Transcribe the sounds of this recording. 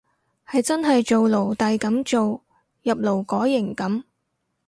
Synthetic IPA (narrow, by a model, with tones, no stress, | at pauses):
hɐ˨jt͡sɐ˥nɦɐ˨jt͡ʃo˨wlo˨˩wt̪ɐ˨jkɐ˨˥mt͡ʃo˨w | jɐ˨p̚lo˨˩wkɔː˨˥jːɪ˨˩ŋkɐ˨˥m